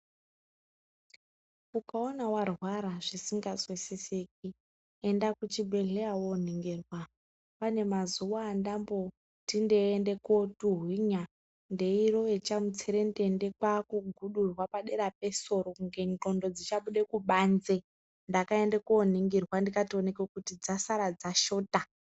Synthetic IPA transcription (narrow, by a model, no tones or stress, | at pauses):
kukaonawarwaɾaʐisiŋɡazwesesek̚i | endakut͡ʃibʱe̞ɮeawon̤iŋɡirwa | pane̞mazuʋaːndambo̞ | tindeːnde̞kotuɦwiɲa | nde̞iro̞et͡ʃamut͡seɾendende̞kwakuɡʱuɗurwapaɗe̞ɾap̚e̞so̞ɾokuŋɡe̞nǃo̞ndo̞d͡zit͡ʃaɓuɗe̞kuɓanze | ndakae̞ndekon̤iŋɡirwandikatio̞ne̞kekutid͡zasaɾad͡zaʃo̞ːta